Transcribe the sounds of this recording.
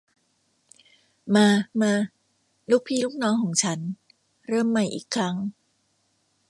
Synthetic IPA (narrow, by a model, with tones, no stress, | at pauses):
maː˧maː˧ | luː˦˥˩k̚pʰiː˧˥˩luː˦˥˩k̚nɔː˦˥ŋkʰɔː˩˦ŋt͡ɕʰa˦˥n | ɾɤː˥˩mːa˨˩jʔḭː˨˩kʰːɾa˦˥ŋ